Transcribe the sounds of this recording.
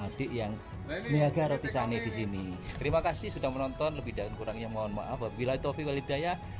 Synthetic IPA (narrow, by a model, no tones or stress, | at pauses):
ad̥ɪʔjaŋ | miaɡaɾot̪isanedisinit̪əɾimakasɪhsudahmənɔnt̪ɔnləbidalankuɾaŋɲamaɔnma̰ʔafbabilait̪ofiwalibaja